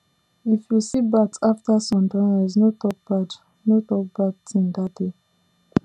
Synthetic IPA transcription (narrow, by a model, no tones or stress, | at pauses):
ifjusibataftasɔ̃mdɹãnɛznotɔk̚b̥ad | notɔk̚b̥atĩndat̚de